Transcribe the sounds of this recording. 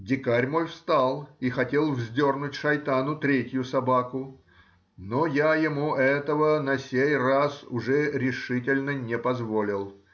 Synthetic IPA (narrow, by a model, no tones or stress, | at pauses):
dʲɪkaɾʲmolʲfst̪alˠixɐtʲe̞lˠvzʲdʲornʊtʲʂɐjt̪anʊt̪ɾʲetʲjʊsɐbakʊ | nojajɪmuʔɛt̪əvənɐsʲejrasʊʐɛɾʲɪʂɨtʲɪlʲnənʲɪpɐzvolʲɪlˠ